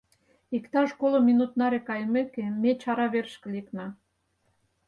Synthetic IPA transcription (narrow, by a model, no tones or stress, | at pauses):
ikt̪ɑʃkolominut̪nɑɾekɑjmekemet͡ɕɑɾɑβerʃkə̆liknɑ